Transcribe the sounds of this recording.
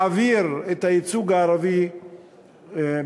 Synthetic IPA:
aviɾet̪ait͡suɡaːɾavi

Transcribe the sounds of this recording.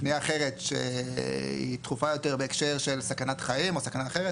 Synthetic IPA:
nijaːχe̞ʁet̪ʃḛ | ḭt̪χufajo̞teʁbeːkʃe̞ʁʃe̞lsakanat̪χaimo̞sakanaːχeʁet

